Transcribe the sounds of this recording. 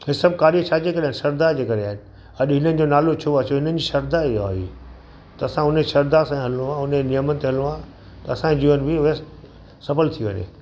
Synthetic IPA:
ɦɪsɐb̚kaːɾiət͡ɕʰaːd͡ʑeːkɐɾeaːɦɪnɪsɐɾd̪ad͡ʑeːkɐɾeaːɦɪnɪ̆ | ɐɗɦɪnənɪ̆d͡ʑonaːlot͡ɕʰoat͡ɕʰoɦɪnənɪ̆d͡ʑiːʃɐɾd̪aia̰ːɦḭː | t̪ɐɐsãʊneʃɐɾd̪asãɦɐlũãʊnenijəmənɪ̆t̪eɦɐlũã | t̪ɐɐsãd͡ʑiːʋənbɪʋs | sɐfəlt̪ʰiʋə̰ɲḛ̃

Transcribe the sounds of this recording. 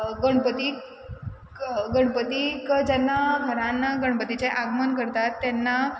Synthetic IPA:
ɡəɳ̃pət̪i | ɡəɽ̃pət̪ikd͡ʑɛnːaɡʱəɾãnːaɡəɽ̃pət̪it͡ɕeʔaɡmənkəɾt̪at̪ːjɛnːa

